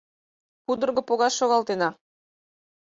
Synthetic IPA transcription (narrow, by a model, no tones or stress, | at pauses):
kud̪ɤ̆rɣɤ̆poɣɑsʃoɣɑlˠt̪enɑ